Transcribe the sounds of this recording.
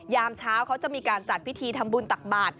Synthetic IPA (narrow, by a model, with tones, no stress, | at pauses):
jaː˧mt͡ɕʰaː˦˥wkʰa˦˥wt͡ɕa˨˩miː˧kaː˧nt͡ɕa˨˩t̪̚pʰi˦˥t̪ʰiː˧t̪ʰa˧mbu˧nt̪a˨˩k̚baː˨˩t̪̚